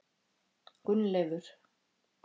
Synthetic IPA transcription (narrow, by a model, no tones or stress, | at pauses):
kʏnːlɛːvʏɾ̥